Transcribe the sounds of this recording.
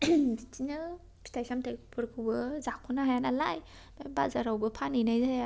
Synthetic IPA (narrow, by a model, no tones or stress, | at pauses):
dit͡ʃiɲɯ | pʰi̥tʰajsamtʰajkpʰɯɾkʰɯbɯzakʰɔnaɦajanala̰j | dɔjbazaɾawbɯpʰanɯjnajzɯa